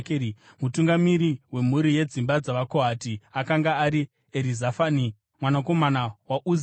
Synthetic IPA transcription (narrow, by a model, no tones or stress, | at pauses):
kː | mutuŋɡamiɾiwe̞muɾije̞d͡zimbad͡zaʋakoɦatiakaŋɡaːɾi | eɾizafani | mwanako̞manawaʔuz